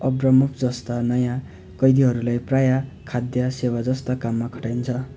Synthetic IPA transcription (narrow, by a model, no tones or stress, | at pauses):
ʌbrʌmupʰd͡zʌst̪anʌjã | kʌjd̪iɦʌɾulajprajakʰad̪jʌsewad͡zʌst̪ʌkamːakʰʌ̥ʈajnt͡sʰʌ